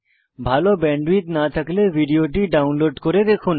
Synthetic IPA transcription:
bʱaːlobɛ̃ːɳɖʋiːt̪nat̪ʰəkleʋiɖijoʈiɖaːʊnloːɖkoɾed̪eːkʰun

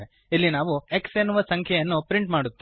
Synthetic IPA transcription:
e | ilːinaːʋue̞ksenːuʋɐsɐŋkʰjɛjɐnːupɾiɳʈmaːɽut̪ːi

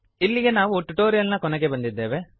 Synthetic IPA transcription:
ilːiɡenaːʋuoʈːuʈoːɾijɐlnɐkɔnɐɡebɐnd̪id̪ːeːʋe

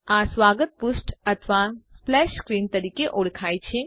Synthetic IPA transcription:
aːsʋaːɡət̪̚pʊsʈɐt̪ʰʋasplɛːʃskɾiːnt̪ɐɾiːkeʔoːɽkʰaːjt͡ʃʰẽ

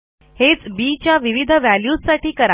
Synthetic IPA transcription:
het͡sbiːt͡ɕjaʋiʋid̪ʱəʋæljuːssaʈʰiːkəɾa

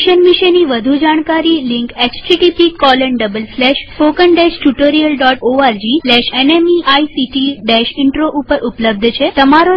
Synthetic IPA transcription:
ʃənmiʃeniʋəd̪ʱud͡ʒaɽ̃kaɾiliŋket͡ɕt͡ɕiʈipikɔləɳɖəbəlslɛʃfokəɳɖɛʃʈuʈoɾijəlɖɔʈoaɾd͡ʑislɛʃenemiʔaisiʈiɖeʃiɳʈɾoʔupəɾʔupləb̚d̪ʱt͡ɕʰet̪əmaɾo

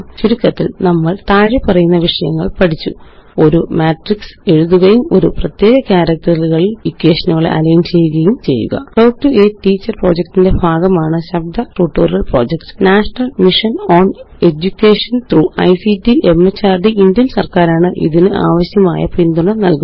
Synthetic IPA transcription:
t͡ɕuɾukːɐt̪ːḭlnɐmːɐɭt̪aːɻipɐrɐjunːɐʋiʂɐjɐŋːɐɭpɐʈʰit͡ɕːṵo̞ɾumaːʈrikse̞ɻuðuɣɐjumo̞̰ɾuprɐt̪je̞ːɣɐkaːɾɐk̚t̪ɐlɣɐɭilikʲːeːʂɐnuɣɐɭ̰ɐ̰lɐjnt͡ɕe̞jːuɣɐjumt͡ɕe̞̰jːṵɣɐ̰fɐwʈueːʈːiːt͡ɕːɐrpro̞̰ːd͡ʑek̚tinde̞bʱaːɡɐmaːɳɨɕɐb̚d̪ɐʈuːʈːuːrɐlpro̞̰ːd͡ʑekʈnaːʂɐnɐlmiʂɐnoːn | e̞d͡ʑukʲːeːʂɐnt̪ruːɐ̰jsidiʔe̞mːet͡ɕːaːrɖiʔindjɐnsɐrkaːɾaːɳɨʔḭðinɨʔa̰ːʋɐɕjɐma̰ːjɐ̰pind̪uɳɐnɐlku

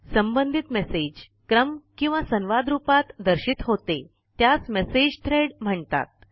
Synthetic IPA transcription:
səmbənd̪ʱit̪mesed͡ʑ | kɾəmkĩw̃ʋasənʋad̪ɾupat̪d̪əɾɕit̪ɦot̪e | t̪jasmesed͡ʑt̪ʰɾeɽm̤əɳt̪a̰t̪̚

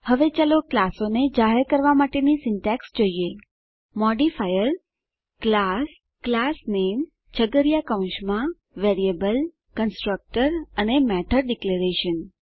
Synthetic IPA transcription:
həʋet͡ʃaloklasoned͡ʒaɦeɾkəɾʋamaʈenisɪnʈɛksd͡ʒoie | mɔɖifajəɾ | klas | klasnem | t͡ʃʰəɡəɾjakaw̃nʃmã | ʋeɾiebəl | kənsʈɾək̚ʈəɾənemɛʈʰəɾɖikləɾeʃən

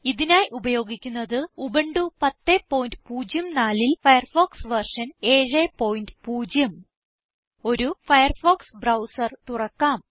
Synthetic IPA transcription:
iðinaːjʔubɐjo̞ːɡikʲːunːɐðɨubɐɳɖupɐt̪ːeːpːo̞ːjindɨpuːd͡ʑjɐmnaːlilfɐjɐrfo̞ːksʋɐrʂɐne̞ːɻeːpːo̞ːjindɨpuːd͡ʑjɐm | o̞ɾufɐjɐrfoːksbrɐwsɐrt̪urɐkːaːm

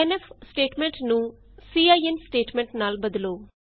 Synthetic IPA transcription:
ɛnɛfʰsʈeːʈmɛ̃ɳʈnũː | siːaːiɛnsʈeːʈmɛ̃ːɳʈnaːlbəd̪loː

